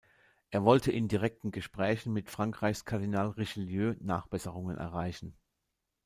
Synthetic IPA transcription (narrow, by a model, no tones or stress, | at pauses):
ʔeːɐvɔltʰəʔɪndiʁ̞ɛk̚tn̩ɡəʃpʁ̥ɛːçn̩mɪtfʁ̥aŋkʁ̥aɪçskʰaɐdinaːlʁeʃiljøːnaːχb̥ɛsəʁʊŋənʔɛ̰ɐʁ̞aɪçn̩